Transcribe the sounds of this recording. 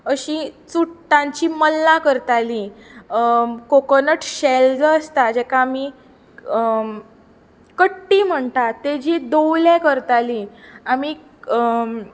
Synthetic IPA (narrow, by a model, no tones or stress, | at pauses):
əɕit͡suʈʈːãɲt͡ɕiməlːãkəɾt̪ali | kokənəʈɕeld͡zəəst̪ad͡ʑɛkaːmi | kəʈːim̤əɳt̪at̪ed͡ʑid̪owlẽkəɾt̪aliami